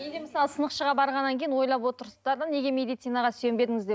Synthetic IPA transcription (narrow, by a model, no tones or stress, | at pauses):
jejd̪eməsɑlˠəsənəqʃəʁɑbɑɾʁɑnːɑŋkʰʲe̞jɪnwo̞jlˠɑpwo̞t̪əɾsd̪ɑɾd̪əne̞ɡʲe̞me̞d̪ijt̪sinɑʁɑse̞mbe̞d̪ɪŋɪzd̪e